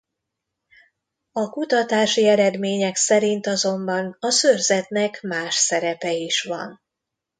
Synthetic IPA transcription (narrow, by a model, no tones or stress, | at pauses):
ɒkut̪ɒt̪aːʃiɛɾɛd̪meːɲɛksɛɾint̪ɒzo̞mbɒnɒsørzɛt̪nɛkmaːʃsɛɾɛpɛiʃʋɒ̰n